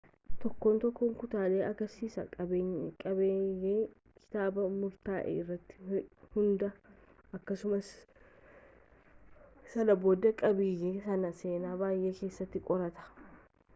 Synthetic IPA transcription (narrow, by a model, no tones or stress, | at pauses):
t̪ɔkːoːnt̪ɔkːoːŋkʊt̪aːle̞ːʔɐɡɐɾsiːsɐ̰kʼɐbeːɲkʼɐbeːjeː | kʰɪ̥t̪aːbɐmʊɾt̪aːʔḛːɪrːɐt̪ːɪ̥hʊnd̪ɐ | ʔɐkːɐsʊmɐs | ɐlɐbo̞ːd̪ɐkʼɐbiːjɛsɐnɐse̞ːnaːbaːjʔe̞ːke̞ːsːɐt̪ːɪkʼɔɾɐt̪ɐ̥